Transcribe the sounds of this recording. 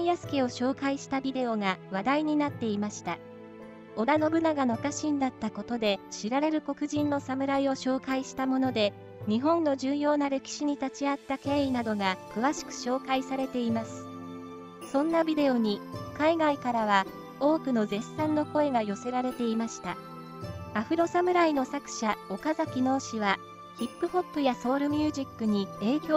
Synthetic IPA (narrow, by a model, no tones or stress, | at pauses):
ijasɨ̥kʲio̞ɕo̞ːkaiɕi̥t̪abʲid̪e̞o̞ŋaβad̪aiɲ̟inat̪ːe̞imaɕi̥t̪a | o̞d̪ano̞bɯ̟naɡano̞kaɕĩnd̪at̪ːako̞t̪o̞d̪e̞ɕiɾaɾe̞ɾɯ̟ko̞kɯ̟ʑĩnːo̞samɯ̟ɾaio̞ɕo̞ːkaiɕi̥t̪amo̞no̞d̪e̞ | ɲ̟iɦõ̞nːo̞ʑɨːjo̞ːnaɾe̞kʲi̥ɕiɲ̟it̪at͡ɕiat̪ːake̞ːinad̪o̞ɡakɯ̟βaɕi̥kɯ̟̥ɕo̞ːkaisaɾe̞t̪e̞imasɨ̥ | sõ̞nːabʲid̪e̞o̞ɲ̟ikaiɡaikaɾaβ̞a | o̞ːkɯ̟no̞zẽ̞sãnːo̞ko̞e̞ɡajo̞se̞ɾaɾe̞t̪e̞imaɕi̥t̪a | aɸɯ̟ɾo̞samɯ̟ɾaino̞sakɯ̟̥ɕao̞kazakʲino̞ːɕiβa | çipːɯ̟ho̞pːɯ̟jaso̞ːɾɯ̟mʲjɨːʑikːɯ̟ɲ̟ie̞ːkʲo